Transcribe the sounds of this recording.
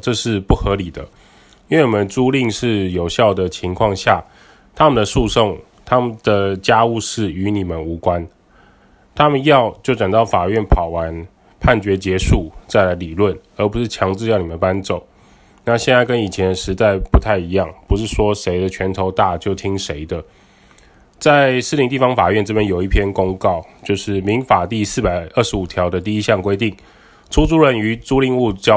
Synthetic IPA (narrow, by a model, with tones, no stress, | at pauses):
ʈ͡ʂɤ˥˧ʂɻ̩˥˧pu˥˩xɤ˧˥li˨˩d̪ə̰˦ | i˥nwe˥˩ni˨˩mə˨˦nʈ͡ʂu˥li˥˧ŋʂɻ̩˥˩jo˨˩ʊɕjɑ˥˩ʊd̪ə˩t͡ɕʰi˧˥ŋkʰwɑ˥˧ŋɕja˥˩ | t̪ʰa˥mə˨nd̪ə˩ʂu˥˧so˥˧ŋ | t̪ʰa˥mə˨nd̪̥ə˩t͡ɕja˥u˥˧ʂɻ̩˥˩y˧˦ni˨˩mə˦nu˧˥kwa˦n | t̪ʰa˥mə˨njɑ˥˧ʊt͡ɕjo˥˩ʊʈ͡ʂa˨˩ŋt̪ɑ˥˩ʊfa˨˩ɥɛ˥˩npʰɑ˨˩ʊwa˧˦n | pʰa˥˩nt͡ɕɥɛ˧˥t͡ɕjɛ˧˥ʂu˥˩t͡sa˥˩ɪla˨˧˥ɪli˨˩lwə˥˩n | ə˧˥pu˧˥ʂɻ̩˥˩t͡ɕʰjɑ˧˥ŋt͡s̩˥˧jɑ˥˩ʊni˨˩ə˨˦npa˦nt͡so˨˩˦ʊ | na˥˧ɕjɛ˥˧nt͡sa˥˩ɪkə˦˥ni˨˩t͡ɕʰjɛ˧˥nʂɻ̩˧˥t͡sa˥˩ɪpu˧˥t̪ʰa˥˩ɪi˧˥jɑ˥˩ŋpu˧˥ʂ̬ɻ̩˥˩ʂwɔ˥ʂe˧˥ɪd̪ə˨t͡ɕʰɥɛ˧˥nt̪ʰo˧˥ʊt̪a˥˧t͡ɕjo˥˩ʊt̪ʰi˥ŋʂe˧˥ɪd̪ə˧ | t͡sa˥˧ɪʂ̩˥˩li˧ŋt̪i˥˩fɑ˧˥ŋfa˨˩ɥɛ˥˩nʈ͡ʂ̩˥pjɛ˥njo˨˩ʊi˥˩pʰjɛ˥nkʊ˥ŋkɑ˥˩ʊt͡ɕjo˥˧ʊʂɻ̩˥˩mi˧˥ŋfa˨˩t̪i˥˧sɹ̩˥˩pa˨˩ɪə˥˩ʂɻ̩˧˥u˨˩t̪ʰjɑ˧˥ʊd̪ə˧t̪i˥˧i˥ɕjɑ˥˩ŋkwe˥ɪt̪i˥˩ŋ | ʈ͡ʂʰu˥t͡su˥ɻə˥˩ny˧˥t͡su˥li˥˧ŋu˥˧t͡ɕ